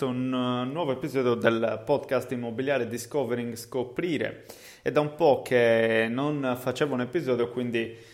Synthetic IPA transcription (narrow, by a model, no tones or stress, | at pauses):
ounnːwɔvoepizɔːd̪jɔd̪ɛlpɔd̪kast̪imːobiljaːɾed̪iskɔveɾiŋɡskopːɾiːɾɛ̰ | ɛd̪ːaumpɔkʰːenːɔnfat͡ʃɛːvaunepizɔːd̪jɔkwind̪i